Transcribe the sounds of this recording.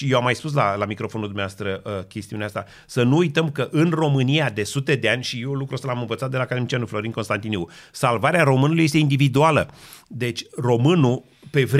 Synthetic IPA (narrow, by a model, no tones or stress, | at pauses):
ʃijewamːajspus̬lalamikɾo̞fo̞nuld̪umneaast̪ɾəkʲe̞st̪iuneast̪a | sənuujt̪əmkəʔɨnro̞mɨniad̪e̞sut̪e̞d̪e̞anʲʃijelukɾuosəlamɨnvət̪sat̪̚d̪e̞lakad̪emit͡ʃianuflo̞ɾinko̞nst̪ant̪ineusalvaɾeaɾo̞mɨnulujes̬t̪eind̪ivid̪ualə̰d̪e̞t͡ʃʲro̞mɨnu | pe̞vɾ